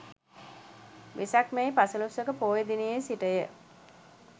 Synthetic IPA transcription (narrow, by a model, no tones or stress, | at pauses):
ʋʔisakmejpasəlusəkəpoːjed̪inijejsiʈəjə